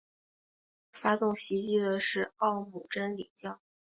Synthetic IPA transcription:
fa˥t̪ʊ˥˩ŋɕi˧˥t͡ɕi˥˩d̪ə˩ʂɻ̩˥˧ɑ˥˩ʊmu˨˩ʈ͡ʂə˥nlḭ˨˩t͡ɕjɑ˥˩ʊ

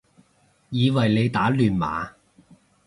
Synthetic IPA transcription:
jiː˨˧wɐ˨jle˨˧jt̪aː˨˥lyː˨˩nma̰ː˨˧

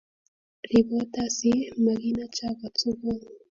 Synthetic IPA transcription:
ɾi˨βo˦ta˦˨si˦ma˨ɣi˦na˦t͡ʃa˦ka˨t͡su˦βo˦

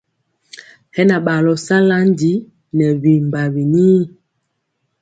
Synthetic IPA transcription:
hɛ˦na˨ɓa˨lɔ˨sa˦la˦ndi˨˦ | nɛ˨βi˨mba˨βi˨ni˦

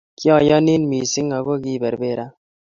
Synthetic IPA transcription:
kjɔ˦˨jɔ˦ni˦nmi˨sɪ˦ŋa˨ɣo˦ki˦bɛ˨ɾbe˦ɾa˦

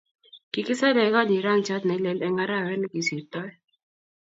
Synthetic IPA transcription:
ki˦kɪ˦sa˦lɛ˨˦ɣɔ˦di˨ɾa˦ŋt͡ʃa˦t̪nɛ˨˦lɛ˨lɛ˦ŋa˦ɾa˦˨wɛ˦nɡi˨si˨t̪ɔ˦

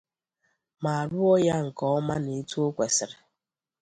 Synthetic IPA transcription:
ma˨a˨ɾʊ˦ɔ˦ja˦ŋ̩˨kɔ˦ɔ˦ma˦ne˨˦tu˦o˦kʷe˨sɪ˨ɾɪ˨

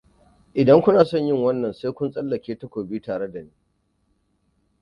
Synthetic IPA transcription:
ʔɪ˨dɐ˦ŋkʷʊ˦naː˨sɔ˦˨ɲjɪ˦˨ŋwɐ˦nːɐ˨nse˦kʷʊ˦nsʼɐ˦lːɐ˨kʲeː˦ta˨kʷoː˨bi˦taː˨ɽe˦da˨niː˦

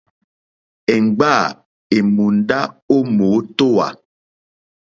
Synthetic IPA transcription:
ɛ˨ŋ̩˨ɡ͡ba˦˨ | e˨mu˨n̩˨˦da˦o˦moː˨˦to˦wa̰˨

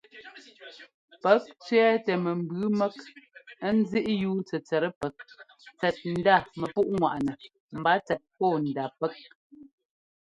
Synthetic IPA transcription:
pɛ˨˦k̚t͡ʃɥɛː˦tɛ˨mɛ˨m̩˨bʉ˨˦mɛ˦kə˦n̩˦zi˦ʔjuː˨˦n˦t͡sɛ˨t͡sɛ˨ɾə˦pɛ˨k̚ | t͡sɛ˨t̚n̩˨˦da˦˨mɛ˨pu˦ʔŋwa̰˨ʔnɛ˨ | m̩˨ba˨˦t͡sɛ˨t̚pɔː˦˨n˨da˨pɛ˦k̚

